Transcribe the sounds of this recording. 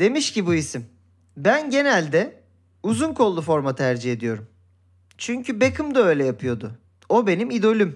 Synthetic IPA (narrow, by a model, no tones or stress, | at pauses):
d̪̥e̞miʃcibuisim | bænɟe̞nælʲd̪ɛ | uzunkʰo̞lˠːufo̞ɾmat̪ʰæɾd͡ʒihe̞d̪ijo̞ɾum | t͡ʃʰyɲcʰybe̞kʰɯmd̪aø̞jlʲɛjapʰɯjo̞d̪ʊ | o̞be̞nimid̪o̞lʲym